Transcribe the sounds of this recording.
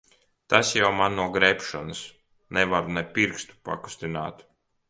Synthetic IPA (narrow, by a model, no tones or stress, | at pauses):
t̪asjawmanːuɔɡɾɛpʃɔnɨs | nɛvaɾnɛpʲiɾkst̪u̥pa̰ku̥st̪ina̰ːt̪